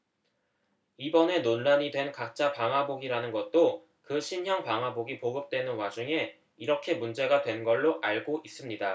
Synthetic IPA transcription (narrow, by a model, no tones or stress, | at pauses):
ibʌne̞nonlaɲidwe̞nkak̚t͡ɕ͈apaŋɦaboɡiɾanɯnɡʌt̚t͈o | kɯɕʰinɦjʌŋpaŋɦaboɡipoɡɯp̚t͈we̞nɯnwad͡ʑuŋe̞ | iɾʌkʰe̞mund͡ʑe̞ɡadwe̞nɡʌɭːoʔaɭɡoʔis͈ɯmɲida